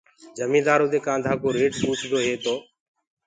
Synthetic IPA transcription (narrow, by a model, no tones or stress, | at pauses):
d͡ʒəmĩːd̪aːɾoːd̪eːkãːnd̪ʱaːkoːɾeːʈpuːt͡ʃʰd̪oːɦeːt̪oː